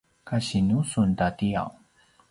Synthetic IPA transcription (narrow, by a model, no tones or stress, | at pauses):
kaɕinusuntatia̰w